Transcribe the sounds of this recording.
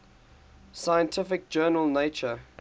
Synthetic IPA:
sajə̃ntʰɪfɪk̚d͡ʒɜːnəlˠneɪt͡ʃə

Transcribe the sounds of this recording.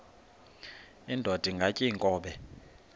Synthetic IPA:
indʱɔd̥ʱiŋɡʱacʼiŋkʼɔːɓɛ

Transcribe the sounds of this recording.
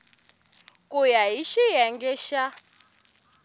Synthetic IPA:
kujaɦiʃijɛŋɡɛʃa

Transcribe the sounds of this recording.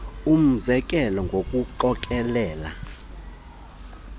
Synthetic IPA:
um̩zɛkʼɛlɔŋɡʱokʼuǃɔkʼɛlɛːla̰

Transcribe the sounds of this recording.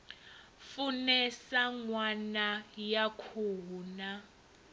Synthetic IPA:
funɛsaŋwanajakʰuna

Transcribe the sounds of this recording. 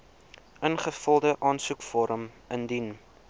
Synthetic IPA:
ənχəfəlˠdəʔɑːnsukfɔɾəm | əndin

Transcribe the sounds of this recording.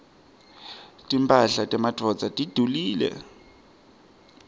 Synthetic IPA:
tʼimpʼaɬatʼɛmadʱrɔd͡zatʼid̥ʱuliːlɛ̰

